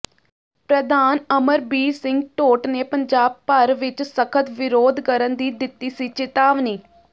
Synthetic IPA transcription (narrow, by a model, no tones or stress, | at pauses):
pɾəd̪aːnəməɾbiːsɪ̃ŋɡʈoːʈneːpəɲd͡ʒaːb̚pəɾʋɪt͡ʃsəkʰət̪ʋɪɾoːd̪kəɾənd̪iːd̪ɪt̪ːiːsiːt͡ʃɪt̪aːʋniː